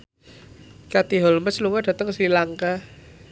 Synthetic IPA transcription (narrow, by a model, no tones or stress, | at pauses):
kat̪iɦɔlməsluŋaɖ̥a̤t̪əŋsilaŋka